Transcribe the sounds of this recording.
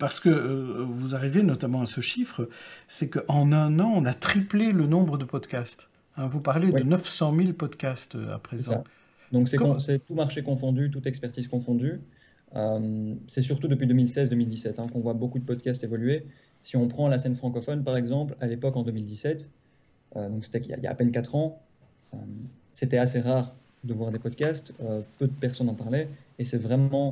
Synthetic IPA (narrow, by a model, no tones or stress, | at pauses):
paʁsə̥kəvuzaʁivenɔt̪amɑ̃asəʃifχəsɛkəʔɑ̃nɛ̃nɑ̃ɔ̃nat̪χiplelənɔ̃bʁəd̪əpɔd̪kast̪ | ɛ̃vupaʁledd̪ənəfsɑ̃milpɔd̪kʲast̪ø̰a̰pχeɛa | d̪ɔ̃ksɛɔ̃sɛt̪umaʁʃekɔ̃fɔ̃d̪yt̪ut̪ɛkspɛʁt̪iːzkɔ̃fɔ̃d̪y | əmsɛsyʁt̪ud̪əpɥid̪ømilsɛzd̪ømild̪isɛt̪ɛ̃kɔ̃vwabokud̪əpɔd̪̚kast̪evɔlye | siɔ̃pχɑ̃lasɛnfχɑ̃kɔfɔnpaʁɛɡzɑ̃plalepɔkɑ̃d̪ømild̪isɛt̪ | ød̪ɔ̃kse̥t̪ɛja̰ija̰ːpɛnkat̪χɑ̃ | øm | set̪ɛaseʁaːʁ | d̪əvwaʁd̪epɔd̪kʲast̪øpød̪əpɛʁsɔnɑ̃paʁlɛesɛvʁɛmɑ̃